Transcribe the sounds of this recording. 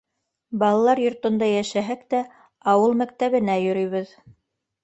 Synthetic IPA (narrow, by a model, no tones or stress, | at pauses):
bɑlˠɑlˠɑɾjŏɾt̪ŏnd̪ɑjæʃæɦæk̚t̪æ | ɑwɤlˠmæk̚t̪æβɘ̆næjɵ̆ɾɵ̆jβɘð